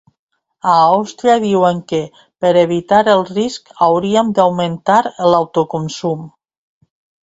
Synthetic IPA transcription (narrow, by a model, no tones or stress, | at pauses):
aawst̪ɾiaðiwəŋkə | pəɾeβ̞it̪aɾəlˠriskawɾiəmd̪awment̪aɾlawt̪okunsum